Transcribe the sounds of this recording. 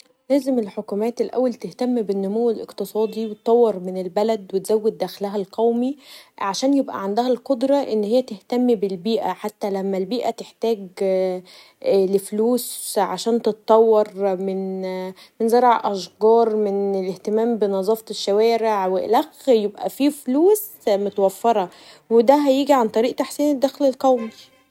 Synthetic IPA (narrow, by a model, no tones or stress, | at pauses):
læːzemelħokuːmæːt̪elʔæ̰wːælt̪eht̪æmːbenːʊmowːelʔḛqt̪ɨsˤɑːd̪ˤiwet̪t̪ˤːɑwːɑɾˤmenelbælæd̪wet̪zæwːed̪̚d̪æːxlæɦælqʰæwmiʕaʃæːnjebʔæ̰ʕand̪æhælqod̪ɾˤɑʔenːhejːæt̪eht̪æmːibelbiːʔæ̰ħat̪ːælæmːælbiːʔæt̪eħt̪æːɡ | lefluːsʕa̰ʃæːnt̪et̪t̪ˤːɑwːɑɾˤmen | menzɑɾˤʕʔɑʃɡɑːɾˤmeneleht̪emæːmbenɑzˤɑːft̪eʃːæwæːɾeʕwḛlæxjebʔæ̰fifluːs | mot̪wæfːeɾˤɑ | wed̪æɦæjiːɡiʕant̪ˤɑɾiːʔt̪aħsiːned̪ːæxlelqæwmi